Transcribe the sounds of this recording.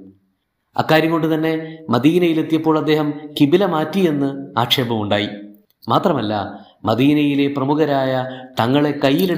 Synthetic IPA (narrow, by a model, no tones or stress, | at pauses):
ɐ̰kːaːɾjɐŋko̞ɳɖɨt̪ɐnːe̞mɐd̪iːnɐjilet̪ːijɐpːo̞ːɭɐd̪ːe̞ːɦɐmkibilɐmaːtːije̞nːɨa̰ːkʂe̞ːbɐmuɳɖaːji | maːt̪rɐmɐlːɐ̰ | mɐd̪iːnɐjile̞prɐmuɣɐɾaːjɐt̪ɐŋːɐɭe̞kɐjːile